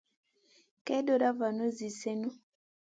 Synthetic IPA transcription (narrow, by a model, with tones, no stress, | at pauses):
kɛ˦do˨ɾa˦va˨no˦zi˨se˦nu˦